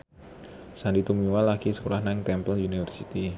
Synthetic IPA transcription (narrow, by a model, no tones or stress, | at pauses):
sandit̪umiwalakisə̥kulahnaŋt̪ɛmpəliunifərsit̪i